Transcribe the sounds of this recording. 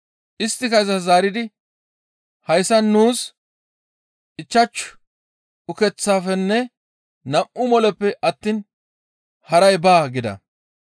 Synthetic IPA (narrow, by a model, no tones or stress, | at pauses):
ʔɪst̪ːɪkɐjɪzɐzaːɾɪd̪ɪ | hɐjsːɐnnːuːs | ʔɪt͡ʃːɐt͡ʃːʊ̥ | ʊkɛt͡sːaːfɛnːɛ | nɐmʔʊmɔlɛpːɛʔɐt̪ːiːn | hɐɾɐjbaːɡɪd̪ɐ̰